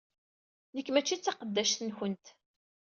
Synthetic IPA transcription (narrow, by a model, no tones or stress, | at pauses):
nəkːmæt͡ʃːit͡sːɑqəd̪ːæʃθənçənt̪